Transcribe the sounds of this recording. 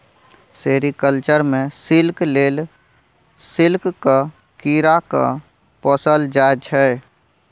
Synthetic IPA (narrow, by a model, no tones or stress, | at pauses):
seːɾikəlt͡ʃəɾmẽsɪlkleːl | sɪlkka | kiɾaka̰ | pɔːsəld͡ʒaːd͡ʒʰɦɛe